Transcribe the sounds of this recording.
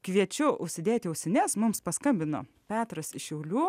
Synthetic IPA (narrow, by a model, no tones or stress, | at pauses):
kʋʲiɛt͡ʃʲʊʊʃʲsʲɪd̪ʲeːt̪ʲɪɛʊsʲɛnʲesmʊmspɐskɐmʲbʲɪno̰ː | pʲæːt̪ɾɐsɪʃʲɛʊlʲuː